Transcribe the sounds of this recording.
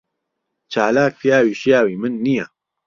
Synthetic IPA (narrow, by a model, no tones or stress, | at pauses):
t͡ʃʰaːlaːkfijaːwiʃjaːwimɨnːija